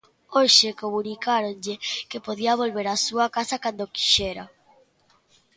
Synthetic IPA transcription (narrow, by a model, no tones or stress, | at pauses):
oʃekoβunikaɾonʎekepoðiaβ̞olβeɾasuakasakand̪oki̥ʃeɾa